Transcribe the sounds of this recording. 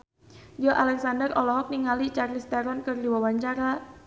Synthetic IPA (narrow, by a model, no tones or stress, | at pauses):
d͡ʒɔʔalɛksandərɔlɔɦɔk̚niŋalit͡ʃarlist̪aɾɔnkərliwawaɲt͡ʃaɾa